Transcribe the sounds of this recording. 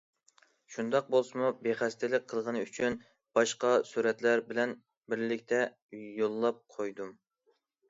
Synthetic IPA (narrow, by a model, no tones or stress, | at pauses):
ʃund̪ɑq̚bolˠsɨmubeχæst̪ɪlɪk̚ʲqʰːəlˠʁənɨyt͡ʃʰyn | b̥ɑʃqɑsuɾɛt̪læɾbɪlɛn | bɪɾlɪkʲt̪ʰɛ | jolˠːɑp̚qʰojd̪um